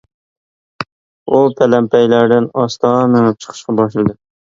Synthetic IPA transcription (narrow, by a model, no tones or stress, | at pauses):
upʰælɛmpʰæjlæɾd̪ɪnɑst̪ɑːmɨŋɨp̚t͡ʃʰə̥qʰə̥ʃqɑbɑʃlɨd̪ɨ